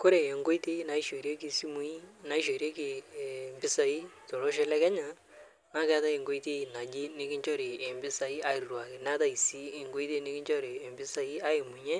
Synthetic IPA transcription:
kʊ˦ɾe˨ɛ˨ŋɡo˦i˦te˦i˦na˨i˦ʃe˨ɾje˦kɪ˨si˦mu˦i˦na˨i˦ʃe˨ɾe˦kɪ˨mbɪ˦sa˨i˦tɔ˨lɔ˦ʃ̬ɛ˦lɛ˦kɛ˦ɲa˨ | na˦kɛ˦ta˦e˨ŋɡo˦i˦te˦i˨na˨d͡ʒi˦nɪ˦kɪ˦ɲt͡ʃɔ˦ɾe˨ɛ˨mbɪ˦sa˨i˦a˦i˨rrwa˨kɪ˨na˦ta˦i˨si˦e˨ŋɡo˦i˦te˦nɪ˦kɪ˦ɲt͡ʃɔ˦ɾeː˨mbɪ˦sa˨i˦a˦ɪ˨mu˨ɲɛ˦

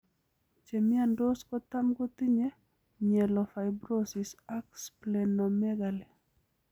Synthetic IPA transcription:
t͡ʃe˨mɪ˦ando˦skɔt̪a˦mɡo˦t̪i˦ɲe˦ | ɲɛ˨lɔ˨fa˨jbɾosisaksplɛnɔmɛɡalɛ˨

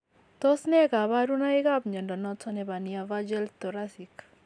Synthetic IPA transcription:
t̪ɔ˦snɛ˦ka˨ba˦ɾu˦na˦i˦ka˦pɲɔ˨ndɔ˨nɔtɔ˦nɛ˨ba˨ni˨ava˦d͡ʒɛ˦lt̪ɔ˨ɾasi˨k

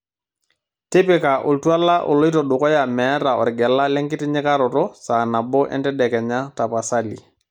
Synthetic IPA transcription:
tɪ˦pɪ˨ka˨ʔo˨ltu˦a˦la˦ʔɔ̰˨lo˦i˦tɔ˨ɗʊ˨kɔ˦ja˨mɛː˨˦ta˨ɔ̰˨ɾɡɛ˨la˦lɛ˦ŋkɪ˦tɪ˦ɲɪ˦ka˦ɾɔ˨tɔ˦saː˨na˨bɔ˦ʔɛ̰˦ntɛ˦dɛ˨kɛ˨ɲa˦ta˨pa˨sa˦lḭ˨

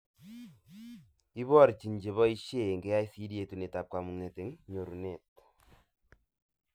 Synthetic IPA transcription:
i˦βɔ˦˨ɾt͡ʃi˨nd͡ʒe˨βɔ˦i˦ʃe˦˨ŋɡe˨˦ja˦i˦si˦ɾje˨tu˨ne˨ta˨p̚kwa˨mu˨ŋe˨te˨˦ŋɲo˨ɾu˨ne˨t

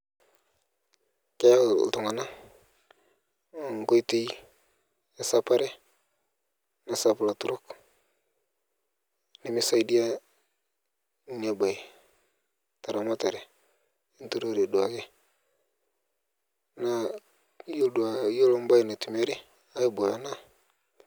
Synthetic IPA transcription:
ke˦ja˦˨tu˨ŋa˨na˦˨ | ŋɡo˦jti˦j | e˨sa˦pa˦ɾe˦ | na˨sa˨pla˨tu˦ɾo˦k | ni˦mi˦sa˦jdi˦a˦ | ɲa˨ba˨ | ta˨ɾa˨ma˦ta˨ɾe˨ | i˦ntu˨ɾo˦ɾe˨du˨a̰˨ɡe˦ | na˦ | jda˨˦jo˦lo˦m˦ba˦jna˨tu˨me˦ɾi˦ | a˦ji˦bo˨ja˨na˦

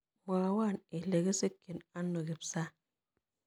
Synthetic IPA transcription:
m˨a˨wa˦˨ni˨le˨ɡi˦se˦kːi˨na˦nːo˨ɡi˨psa˦

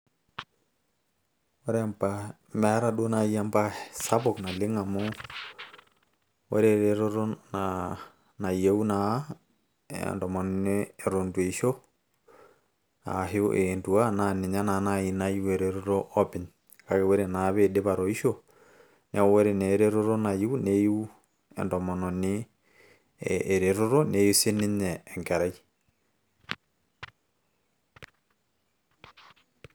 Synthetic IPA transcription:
wo˦ɾe˦ampa | mɛ˦ɾa˦ɗo˦na˨ia˦mba˦sa˦βokna˨le˦ŋa˨mo˦ | wɛ̰˦ɾeɾeɾo˦ɾo˦na | na˨ie˦u˦na˦ | ndɔ˨mɔ˨nneː˨ɾo˨ndwe˨iʃo˦ | a̰ɦe˦o̰˦ʔendu˨a˦nane˨ɲa˦na˨na˦i˨na˦i˦we˨ɾe˨ɾo˦ɾo˦ʔɔ˦pɛ˨ɲ | kakeweɾenaβede˦βaɾɔi˦ʃo | neɔwɛɾe˨neɾeɾoɾɔna˨iu˦neiu˦ | ɛ̰ndɔmɔnɔne | ʔːɾeɾo˦ɾɔnejuse˦ne˦ɲɛːŋɡɛ˨ɾai

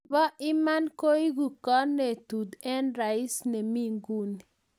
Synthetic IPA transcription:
ɔ˦ʔi˦ma˦nko˦i˦ɡu˨kɔ˦ne˨t̪u˨d̪ɛ˦nɾa˨i˦sne˨mi˦ŋɡu˦ni

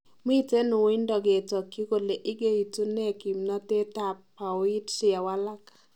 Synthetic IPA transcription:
m˦i˦te˦nu˨wi˦ndɔ˨ɡe˨tɔ˨kːi˦ko˨le˨ʔɪ˦ɡe˦i˨tu˦ne˦˨ki˨mna˦te˦ta˨pː | a˨wi˦tsɪ˦˨a˨wa˦la˦k

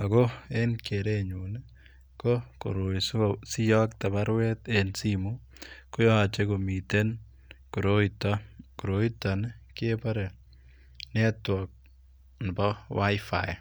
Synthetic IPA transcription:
a˨ko˦enkeɾeɲu˨n | ko˦ko̰˨ɾo˨isosi˦jɔ˦k̚t̪a˨baɾwɛ˦t̪ensimu | ko˦jɔ˦a˨t͡ʃe˦komi˨te˦n | koɾoitɔku˨ɾoi˦ta˨nkepa˦ɾe˨ | nɛ˦twɔk̚ | n˨bɔ˦wa˦jfa̰j

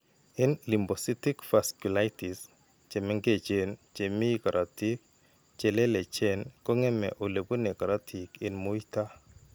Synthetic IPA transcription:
ɛ˦nli˨mbo˨si˦tɪ˦kfa˨sku˨la˦tɪ˨s | t͡ʃe˨mɛ˦ŋɡe˦t͡ʃe˨nt͡ʃe˨mi˦ka˨ɾʔa˨ti˦k̚ | t͡ʃe˨lɛ˦le˨t͡ʃɛ˦nkɔ˦ŋɛ˦mɛ̰˨ʔo˨le˨po˦ne˨kɔ˨ɾa˦tʰi˨ke˨nmo˦ita˦

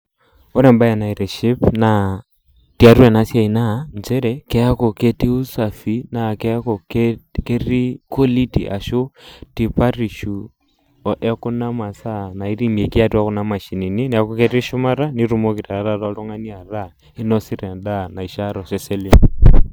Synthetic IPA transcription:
ɔ˦ɾɛ˨mba˦jɛ˨na˨i˨ɾɛ˨ʃi˦pna˨ | ti˦a˨ɾu˦ɛ˨na˦sja˦i˨na˦nd͡ʒɛ˦ɾɛkɛ˦a˦kɔ˨kɛ˦ti˦u˦sa˨fi˨na˨kɛ˦kɔ˨kkɛ˦ri˦kɔ˦li˦tḭ˨ʔa̰˨ʃɔ˦ti˨pa˦ri˨ʃu˨ | ʔɛ˦ku˦na˦ma˨sa˦na˨i˦ɾi˦m˨ɛ˨ki˦a˦tu˦a˦kɔ˦na˦ma˨ʃi˨ni˨ni˦nɛ˨a˨kɔ˦kɛ˦ɾi˦ʃu˦ma˦ɾa˦ni˦ɾu˦mɔ˦ki˨ta˨ɾa˨˦ɾa˦ɾaɔ˦lɔ˦ŋa˦ni˦a˨ɾa˦ | i˦nɔ˦si˦ɾɛ˨nda˦na˨i˨ʃa˦ɾɔ˨ʃɛ˦sɛ˦li

